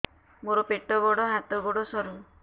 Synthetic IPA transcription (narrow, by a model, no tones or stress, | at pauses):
moɾɔpeʈɔbɔɽɔɦat̪ɔbɔɽɔsɔɾu